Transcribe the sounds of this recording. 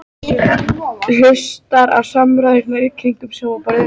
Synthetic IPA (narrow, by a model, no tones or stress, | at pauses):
hʏstt̪aɾa̰ðsamɾaɪɾnaikʰɾiŋkʏmsɛmvapaɾa